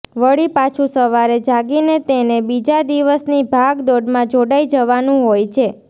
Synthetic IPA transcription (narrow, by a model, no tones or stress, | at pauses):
ʋəɭipat͡ʃʰusəʋaɾed͡ʒaɡinet̪enebid͡ʒad̪iʋəsnibʱaɡd̪oɖmãd͡ʒoɽaid͡ʒəʋanũɦojt͡ʃʰe